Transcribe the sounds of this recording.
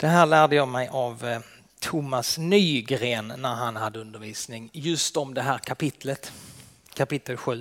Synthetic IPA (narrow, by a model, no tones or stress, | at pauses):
d̪̥ɛɦæːɭæːɖəjɑːmɛjʔav | t̪ʰʊmːasnyːɡɾeːnːæɾɦanhad̪ːəɵnd̪əɾviːsnɪŋjɵst̪ɔmd̪ɛɦæːɾkʰapɪt̪ʰlət̪ | kʰapɪt̪ːəlɧʉ̟ː